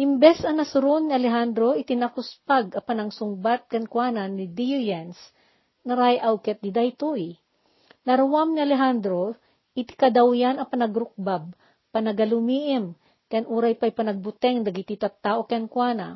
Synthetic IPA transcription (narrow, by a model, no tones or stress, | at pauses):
hɪmbɛsɐŋnɐsʊɾonːiɐlɛɦand̪ɾoʔɪt̪ɪnakʊspaɡɐpɐnɐŋsʊŋbat̪̚kɛnkwananɪd̪ijujɛns | nɐɾajʔawkɛt̪̚d̪ɪd̪ajt̪uj | nɐɾawamniɐlɛɦand̪ɾo | ʔɪt̪ɪ̥kɐd̪awjanɐpɐnɐɡɾʊk̚bab̚ | pɐnɐɡɐlʊmiːʔɪm | kaɐnʔuːɾajpajpɐnɐɡ̚bʊt̪ɛŋd̪ɐɡit̪it̪ɐt̪ːaːʔokɛnkwaːnɐ̰